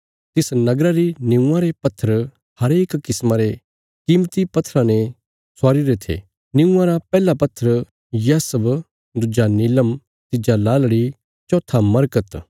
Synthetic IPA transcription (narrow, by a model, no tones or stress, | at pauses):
t̪ɪsnɐɡɾaɾinɪ̃ũãɾepɐt̪ʰːəɾ | hɐɾeːkkɪsmãɾe | kɪːmt̪ipɐt̪ʰːɾãne | swaːɾiɾet̪ʰḛː | nɪũãɾapɛːlapɐt̪ʰːəɾ | jaːsəb | d̪ʊd͡ʒanɪləm | t̪ɪd͡ʒalaːlɽi | t͡ʃɔːt̪ʰamɐɾkət̪